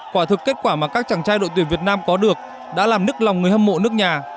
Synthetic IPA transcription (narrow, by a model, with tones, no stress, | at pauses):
kwaː˧˩t̪ʰɨ˨˩kːe˦˥t̚kwaː˧˩maː˨˩kaː˦˥k̚t͡ɕaː˧˩ŋt͡ɕaː˧jɗo̰˧˨t̪i˧˩nvi˨˩ət̚naː˧mkɔ˨˦ɗɨ˨˩ək̚ | ɗa̰ː˧˥laː˨˩mnɨ˦˥ək̚la˨wŋ͡mŋɨ˨˩əjhə˧mːo̰˧˨nɨ˦˥ək̚ɲaː˨˩